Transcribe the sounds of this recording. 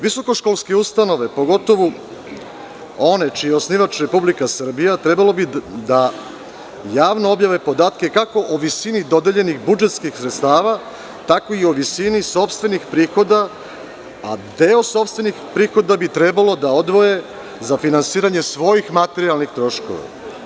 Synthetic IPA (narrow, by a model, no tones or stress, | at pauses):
ʋiso̞ko̞ʃkolˠske̞ust̪ano̞ʋe̞po̞ɡo̞t̪o̞ʋo | o̞ne̞t͡ʃijeo̞sniʋat͡ʃɾe̞publikasr̩bijat̪ɾe̞balo̞bid̪a | jaːʋnoo̞bjaʋe̞po̞d̪aːt̪ke̞kako̞ʔoʋisinid̪o̞d̪eʎe̞nixbud͡ʒe̞t̪skixsɾet̪st̪aːʋa | t̪ako̞io̞ʋisiniso̞pst̪ʋe̞nixpɾiːxo̞d̪a | a̰d̪e̞o̞so̞pst̪ve̞nixpɾiːxo̞d̪abit̪ɾebalo̞d̪ao̞d̪ʋo̞je̞ | zafinansiːɾaɲe̞sʋo̞jixmat̪e̞ɾialˠnixt̪ɾo̞ʃko̰ʋa̰